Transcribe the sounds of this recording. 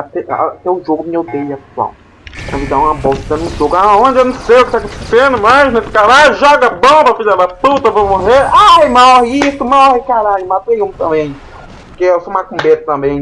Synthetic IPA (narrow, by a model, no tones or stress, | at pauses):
at̪ɛat̪ɛʊʒoɡʊmiowd̪ejɐapet̪ua̰w | k̪ɐ̃vid̪aũmɐbɔwsid̪ɐ̃nũʒoɡʊaõd͡ʒɪewnɐ̃w̃sejʊkɪt̪akiisẽnʊmaznesɪ̥kaɾajʒɔɡɐbõbɐfizɛaput̪ɐvõmoɦeɾajmɔhiist̪ʊmɔhikaɾaʎʊmat̪ẽjũt̪ɐ̃mbẽj̃ | pʊkeewsoũakũbet̪ɐ̥t̪ɐ̃mbẽj̃